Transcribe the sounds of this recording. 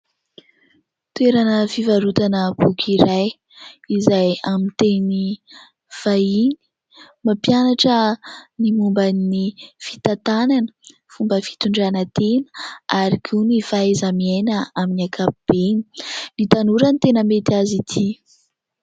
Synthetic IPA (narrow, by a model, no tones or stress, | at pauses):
t̪weɾanəfivaɾut̪anəb̥ukʲʰiɾaj | izajamint̪eni | v̥aini̥ | mapjanaʈ͡ʂənimumbanifit̪at̪ananə̥ | fumbəfi̥t̪uɳɖ͡ʐanət̪enə̥aɾikʰinifaezamienəaminiakʰapib̥eni̥nit̪anuɾənit̪enəmet̪azit̪ʰi